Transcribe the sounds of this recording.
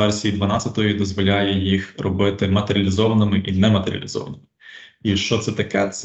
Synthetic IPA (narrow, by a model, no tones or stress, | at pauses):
ɛrsʲijid̪ʋɐnɑt͡sʲːɐt̪ɔjid̪ɔzʋɔlʲajɛjixrɔbɪt̪ɪmɐt̪eɾʲɐlʲizɔʋɐnɪmɪʔinɛmɐt̪eɾʲɐ̰lʲizɔ̰ʋɐ̰nɪmɪiʃt͡ʃɔt̪sɛt̪ɐkɛt̪s